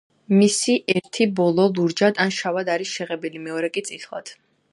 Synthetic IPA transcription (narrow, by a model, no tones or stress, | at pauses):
misiʔɛɾt̪ʰibɔlˠɔlˠuɾd͡ʒad̪anʃavad̪aɾisʃɛʁɛbilimɛɔɾɛkʼit̪sʼit̪ʰlˠa̰d̪̥